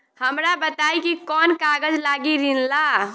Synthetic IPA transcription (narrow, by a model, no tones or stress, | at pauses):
həmɾabət̪ajkikɔnkaɡəd͡ʒlaɡiɾinla